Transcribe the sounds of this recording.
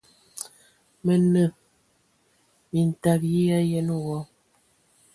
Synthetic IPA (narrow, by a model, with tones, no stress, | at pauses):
mə˨nə˨ | mi˨n̩˨ta˨k̚ji˦ja˦jɛ˦n˦wɔ˨˦